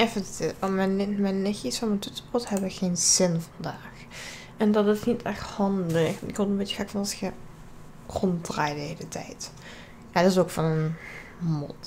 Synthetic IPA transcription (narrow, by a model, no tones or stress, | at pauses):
ɛfətmɛnmɛnexisɔmətutə̥pɔɹthɛbʋəxeːnz̥ɪnvɑndaːx | ɛndɑtɪsnitɛxthɑndəxɪkobeːt͡ʃəxaːkfɑnɑsxə | rɔntdraːjdəɦeːlətʰɛ̰jt | jadɪsokfɑnənmɔ̰t